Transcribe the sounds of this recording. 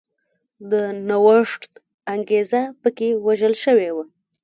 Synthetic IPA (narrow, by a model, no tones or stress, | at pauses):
d̪ənawəʂʈt̪ | aŋɡezapəkewaʒəlʃəwewa